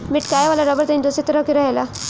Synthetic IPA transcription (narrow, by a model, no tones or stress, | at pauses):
mɪʈkaːjʋalaɾəbəɾt̪aĩnd̪oset̪əɾəkiɾɐɦela